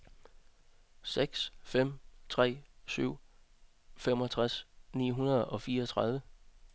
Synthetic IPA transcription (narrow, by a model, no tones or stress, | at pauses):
seɡ̥sfem̰t͡sʰʁɛ̰ːsyʊ̰ | fem̰ɒ̽t͡sʰʁasnḭːɦunɐð̞ˠɒ̽fiːɐɒt͡sʰʁɑ̈ðˠʋə